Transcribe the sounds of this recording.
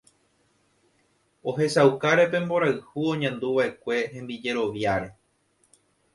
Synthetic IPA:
o̞ɦe̞sawkaɾe̞pẽ̞mbo̞ɾaɨhuõ̞ɲãnd̪uʋaʔe̞kʷe̞hẽ̞mbid͡ʒe̞ɾo̞ʋjaɾe

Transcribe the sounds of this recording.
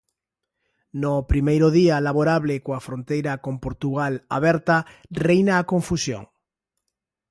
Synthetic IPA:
nopɾimejɾoðialaβoɾaβlekoafɾont̪ejɾakompoɾt̪uɣala̰β̞ɛɾt̪arejnaːkoɱfusjõ̰ŋ

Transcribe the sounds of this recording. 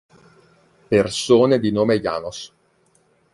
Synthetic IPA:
persoːned̪inoːmeja̰ːnos

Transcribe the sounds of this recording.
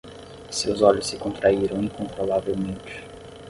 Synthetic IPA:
sewzɔʎʊsːɪkõnt̪ɾaiɾɐ̃w̃ĩŋkõnt̪ɾolavewmẽnt͡ʃɪ̥

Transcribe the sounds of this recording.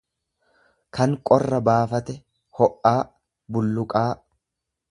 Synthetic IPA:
kɐŋkʼɔrːɐbaːfɐt̪ɛ | hɔʔːaː | bʊlːʊkʼaː

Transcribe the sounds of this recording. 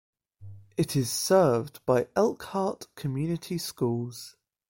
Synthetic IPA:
ʔɪtʰɪz̥sɜːvb̥aɪʔɛlˠkhɑˑʔkʰəmjʉːnɪtʰiskuːlˠz̥

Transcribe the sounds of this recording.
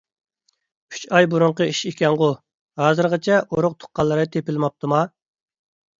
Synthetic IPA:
kʲʰy̥t͡ʃɑjbuɾʊɴqəiʃekʲɛnʁʊ | hɑːzɨɾʁət͡ʃʰɛʔoɾʊq̚t̪ʰʊ̥qːɑlˠːɨɾɨt̪ʰepɪlmɑp̚t̪ʰɨmɑ

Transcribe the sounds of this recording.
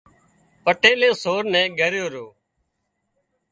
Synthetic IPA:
pəʈeːlẽːsoːɾnɛ̃ːɡʱəɾjoːɾoː

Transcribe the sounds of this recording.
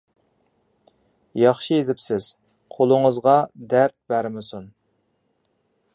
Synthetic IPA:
jɑχʃijezɪpsɪz̥ | qʰolˠʊŋəzʁɑd̪æɾt̪̚bæɾmɪsun

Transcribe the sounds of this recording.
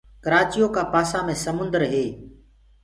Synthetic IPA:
kəɾaːt͡ʃijoːkãːpaːsãːmẽːsəmʊ̃nd̪əɾɦeː

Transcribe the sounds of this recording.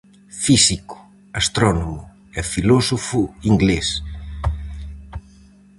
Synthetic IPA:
fisikʊ̥ | ast̪ɾɔnomʊ | ɛfilɔsofʊiŋɡles

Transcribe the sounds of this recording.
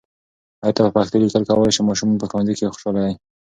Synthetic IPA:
ɑjt̪apəpaxt̪elikəlkawəljʃemɑʃumɑnpəxwanzikexʊ̥ʃɑlaj

